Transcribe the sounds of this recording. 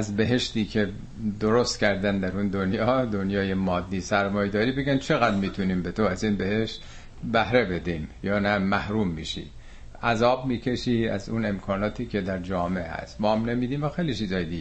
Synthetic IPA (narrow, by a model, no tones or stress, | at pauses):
æzbe̞ɦe̞ʃt̪iːkʰe̞ | d̪oɾost̪cʰæɾd̪ænd̪æɾund̪onjɒːd̪onjɒːje̞mɒːd̪ːiːsæɾmɒːjed̪ɒːɾiːbe̞ɡænt͡ʃʰe̞ɣæd̪miːt̪ʰuniːmbe̞t̪ʰoæzinbe̞he̞ʃt̪ | bæhɾe̞be̞d̪iːmjɒːnæmæhɾumːiːʃḭː | æzɒːbmiːcʰe̞ʃiːæ̰zune̞mkʰɒːnɒːt̪ʰiːcʰe̞d̪æɾd͡ʒɒːmeehæ̰st̪bɒːhæmnemiːd̪iːmvæxejlit͡ʃʰiːzɒːjed̪iɡ